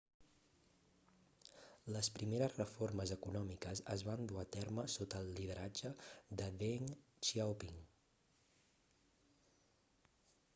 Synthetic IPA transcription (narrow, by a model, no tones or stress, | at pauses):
ləspɾimeɾəzrəforməzəkunɔmikəzəzβand̪uat̪ɛrməsot̪əlˠːið̞əɾad͡ʒəd̪əðeŋ | t͡ʃiawpiŋ